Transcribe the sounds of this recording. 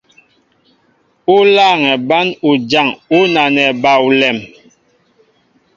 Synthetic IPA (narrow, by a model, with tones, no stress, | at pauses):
u˦la˦˨ŋɛ˨ba˦nu˨d͡ʒa˦˨ŋu˦na˨nɛ˨ba˨u˨lɛ˨m